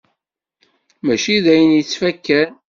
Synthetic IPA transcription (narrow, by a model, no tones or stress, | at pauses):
mæʃiðæjənjət͡sːfækːæn